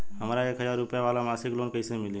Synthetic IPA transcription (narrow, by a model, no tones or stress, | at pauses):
ɦəmɾaeːkɦəzaːɾːʊpɪjaʋaːlamaːsɪkloːnkəiːsẽmɪlĩ